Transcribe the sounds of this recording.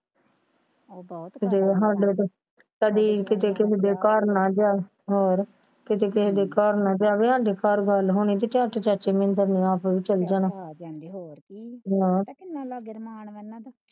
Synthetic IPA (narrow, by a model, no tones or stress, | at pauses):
kɪt̪eːɦãːɳɖeːt̪e | kəd̪iːkɪt̪eːkɪseːd̪eːkaːɾnaːd͡ʒaː | ɦoːɾ | kɪt̪eːkɪsed̪eːkaːɾnãːd͡ʒaːʋeːɦãːɳɖeːkaːɾɡəlɦoːñiːt̪̬eːt͡ʃãːʈet͡ʃat͡ʃeːmɪ̃nt̪əniːaːpːʋiːt͡ʃəld͡ʒaːnaː | naː